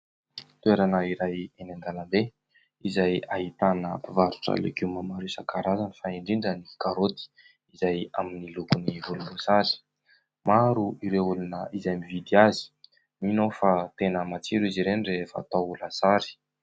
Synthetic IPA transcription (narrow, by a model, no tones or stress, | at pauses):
t̪uweɾanəiɾajenaŋɡanəbe | izajaɦit̪anəivaɾu̥ʈ͡ʂə̰lḛkuwmamaɾusakaɾazanifaiɳɖ͡ʐiɳɖ͡ʐənikaɾot̪i̥ | izajaminilukunivulubusaɾi̥ | maɾuiɾeulunəizajmivid̪iazi̥ | minofat̪enəmat͡siɾuiziɾenirefa̰t̪aulasaɾi̥